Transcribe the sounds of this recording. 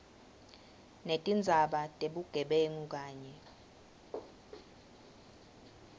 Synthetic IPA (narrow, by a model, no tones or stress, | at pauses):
netʼind͡zʱaɓatʼeɓuɡ̥ʱɛɓeŋuk̬aːɲɛ